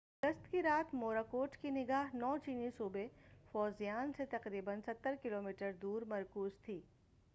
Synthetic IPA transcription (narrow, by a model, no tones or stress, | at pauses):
ɡəst̪kiɾaːt̪ʰmoːɾakoːʈkinɪɡaːɦnɔːt͡ʃiːnisuːbefɔːzijaːnset̪ɐqɾiːbənsɐt̪ːəɾkɪloːmiːʈəɾd̪uːɾmɐɾkuːzt̪ʰiː